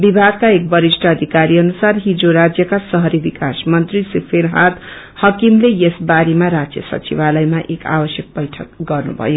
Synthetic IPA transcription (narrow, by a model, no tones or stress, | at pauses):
bibʱaɡkaek̚bʌɾisʈʰʌʌd̪ʱikaɾiʌnusarɦid͡zoɾad͡zjʌkasʌɦʌɾibikasmʌnt̪risipʰeɾɦad̪ | hʌkimlejesbaɾemaɾad͡zjʌ̰sʌ̰t͡sibalʌjmaʔeka̰bʌsjʌk̚bʌjʈʰʌk̚ɡʌrnṵbʱʌ̰jo